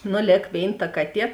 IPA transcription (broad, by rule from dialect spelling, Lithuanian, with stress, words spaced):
ˈnʊ ˈlʲeːk ˈʋʲeːɪn tɐ ˈkɑːˌtʲiɛ